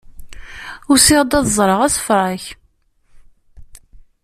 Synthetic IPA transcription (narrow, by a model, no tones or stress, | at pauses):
ʊɾsɪʁd̪ɑðzˤɾˤəʁæsfɾˤaç